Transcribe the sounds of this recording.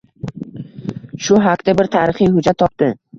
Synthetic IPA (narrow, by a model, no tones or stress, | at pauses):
ʃʊɦakt̪abɪɾt̪ʰaɾɪχijhʊd͡ʒat̪ʰːɒp̚t̪ɪ